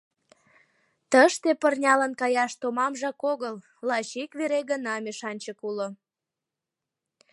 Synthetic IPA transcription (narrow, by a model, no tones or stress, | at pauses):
t̪əʃt̪epərnʲɑlənkɑjɑʃt̪omɑmʒɑkoɣəl | lɑʃikβeɾeɣənɑmeʃɑnʲt͡ɕəkulo